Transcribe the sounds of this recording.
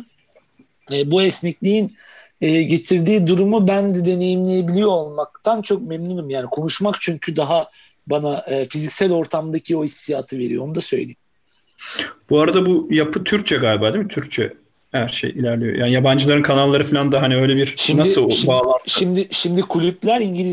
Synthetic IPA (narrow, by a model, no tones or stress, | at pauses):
ɛːbuɛsnɛclʲiin | ɛːɟe̞t̪ʰiɾd̪iːd̪uɾumubænd̪ɛd̪e̞ne̞jimlʲejebilʲijo̞olˠmak̚t̪ʰant͡ʃʰo̞k̚mɛmnynimjaːnikʰo̞nuʃmakt͡ʃʰyɲcʰyd̪aɦa | banaʔɯːfizicsælʲo̞ɾt̪ʰamd̪acʰio̞isːijaːt̪ʰɯve̞ɾijo̞o̞nud̪asø̞jlʲejimm | b̥uaɾad̪abujapʰɯt̪ʰyɾc̚t͡ʃʰɛɡaːlʲbaːd̪imit̪ʰyɾc̚t͡ʃʰɛ̰ | hæɾʃḛjilʲæɾlʲijo̰ja̰ːnijaband͡ʒɯlˠaɾɯnkʰanalˠːaɾɯfilʲand̪aɦaniø̞jlʲɛbiɾʃinasɯbaːaʃimd̪ɪʃimd̪ikʰulʲyplʲæɾiɲɟilʲi